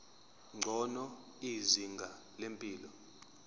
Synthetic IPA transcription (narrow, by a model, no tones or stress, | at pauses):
ŋ͡ǀʱɔnɔ | iziŋɡʱa | lempʼiːlɔ